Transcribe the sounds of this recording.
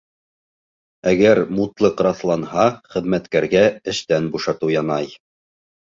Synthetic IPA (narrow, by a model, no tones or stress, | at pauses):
æɡæɾmut̪lˠɤqɾɑθlˠɑnhɑχɘ̆ðmæt̪kæɾɡæɘ̆ʃt̪ænbuʃɑt̪ɤwjɑnɑj